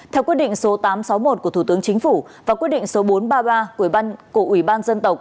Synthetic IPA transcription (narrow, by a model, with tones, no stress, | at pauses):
t̪ʰɛ˧wkwi˦˥t̚ɗḭ˧˨ŋ̟so˨˦t̪aː˨˦msa˨˦wmo˨˩t̚ku˧˩ət̪u˧˩t̪ɨ˨˦əŋt͡ɕï˨˦ŋ̟fu˧˩vaː˨˩kwi˦˥əɗḭ˧˨ŋ̟so˨˦ɓo˨˦nɓaː˧ɓaː˧kko̰˧˩əʔwi˧˩ɓaː˧nzə˧nt̪ə˨˩wk͡p̚